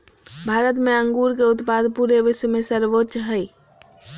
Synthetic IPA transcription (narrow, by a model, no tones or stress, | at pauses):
bʱaːɾət̪mẽə̃ŋɡuːɾkeʊt̪paːd̪puːɾeʋɪʃwmẽsəɾʋotːʃɦɛi